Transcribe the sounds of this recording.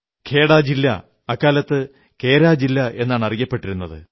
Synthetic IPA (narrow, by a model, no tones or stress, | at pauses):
kʰe̞ːɽaːd͡ʑilːɐ̰ | ɐkːaːlɐt̪ːɨ | kʰe̞ːɾaːd͡ʑilːɐʔe̞nːaːɳɐrijɐpːe̞ʈːiɾunːɐðɨ̰